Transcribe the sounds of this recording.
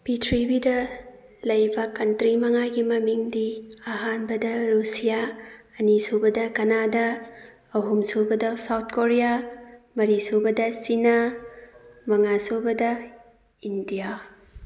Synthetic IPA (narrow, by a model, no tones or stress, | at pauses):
pitʰɾibidɐ | lɐjbɐkɐntɾimɐŋaɡimɐmiŋdiɐɦanbɐdɐɾusijaː | nisobɐdɐkɐnadɐː | ɦumsobɐdɐsawt̚koɾijamɐɾisobɐdɐsina | mɐŋasobɐdɐ | indija